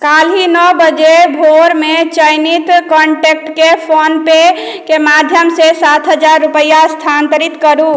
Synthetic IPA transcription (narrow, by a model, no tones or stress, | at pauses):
kalɦinəbəd͡ʒebʱoɾmet͡ʃəjnit̪kəɳʈek̚ʈkepʰonpe | kemad̪ʱjəmsesat̪ʰɦəd͡ʒaɾːupəjast̪ʰant̪əɾit̪kəɾu